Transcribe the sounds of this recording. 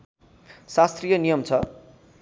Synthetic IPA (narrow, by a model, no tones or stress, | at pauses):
sast̪rijʌnijʌmt͡sʰʌ